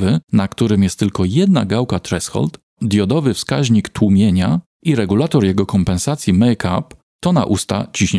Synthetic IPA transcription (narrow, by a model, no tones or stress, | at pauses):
vɘnakt̪uɾɘmjɛst̪ːɘlkɔjɛd̪na̰ɡawkat̪ɾɛsxɔ̰lt̪ | d̪jɔd̪ɔvɘfskaʑɲikt̪wumʲjeɲa | iɾɛɡulat̪ɔɾjɛɡɔkɔmpɛnsat̪sʲjimɛjkʰa̰p | t̪ɔna̰ʔust̪a̰t͡ɕiɕɲɛ